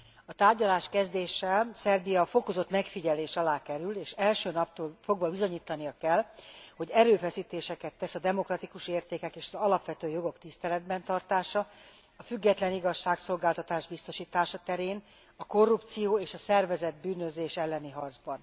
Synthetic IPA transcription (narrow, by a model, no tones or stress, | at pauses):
ɒt̪aːrɟɒlaːʃkɛzd̪eːʃɛlsɛrbijɒfo̞ko̞zot̪mɛkfiɟɛleːʃɒlaːkɛɾyleːʃɛlʃøːnɒpt̪oːlfo̞ɡʋɒbizo̞ɲiːt̪ɒnijɒkɛlho̞ɟɛɾøːfɛsiːt̪eːʃɛkɛt̪ːɛsɒd̪ɛmo̞krɒt̪ikuʃeːrt̪eːkɛkeːʃɒzɒlɒpʋɛt̪øːjo̞ɡo̞kt̪ist̪ɛlɛd̪̚bɛnt̪ɒrt̪aːʃɒ | ɒfyɡːɛt̪lɛniɡɒʃːaːkso̞lɡaːlt̪ɒt̪aːʒbist̪o̞ʃiːt̪aːʃɒt̪ɛɾeːn | ɒko̞rːup̚t̪sijoːeːʃɒsɛrvɛzɛd̪̚byːnøzeːʃɛlːɛniɦɒrd̪zbɒn